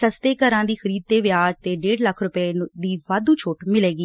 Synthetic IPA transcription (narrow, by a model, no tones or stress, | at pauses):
səst̪eːkəɾãːd̪iːxəɾiːd̪̚t̪eːʋɪjaːd͡ʒt̪eːɖeːɖləkʰːɾʊpeːd̪iːʋaːd̪ũːt͡ʃʰoːʈmɪleːɡiː